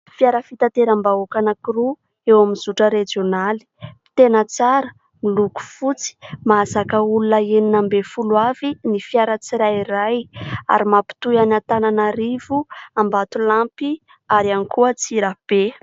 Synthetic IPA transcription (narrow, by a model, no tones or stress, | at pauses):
fjaɾəfit̪at̪eɾambaokanakuɾu | ewaminzuʈ͡ʂəɾed͡ʒionali̥i̥t̪enət͡saɾə | miluku̥fut͡si̥mazakəulunəeninambefulwavinifiaɾət͡siɾajiɾaja̰ɾimapi̥t̪ujanat̪ananaɾivuambat̪ulampi | aɾanikuət͡siɾab̥e